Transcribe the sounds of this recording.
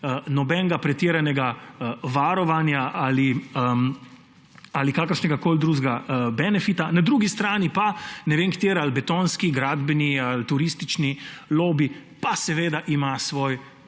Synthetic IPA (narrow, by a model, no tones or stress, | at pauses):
ənɔbɛnɡapɾɛt̪iɾanɛɡaʋaɾɔʋanjaʔaliə | alikaːkəɾʃnɛɡakoːld̪ɾuːʒɡabɛnɛfit̪anad̪ɾuːɡist̪ɾaːnipanɛʋeːnkt̪eːɾalbɛt̪oːnskiɡɾaːd̪bɛnialt̪uɾist̪it͡ʃniloːbipasɛʋeːd̪aʔimasʋoːj